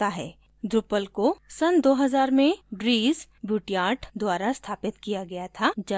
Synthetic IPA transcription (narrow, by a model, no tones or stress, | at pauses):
aɦɛː | d̪ɾʊpəlkosɐnd̪oːɦɐzaːɾmẽɖɾiːzbjuːʈijaːɾʈd̪waːɾast̪ʰaːpɪt̪kijaɡɐjat̪ʰad͡ʒɐ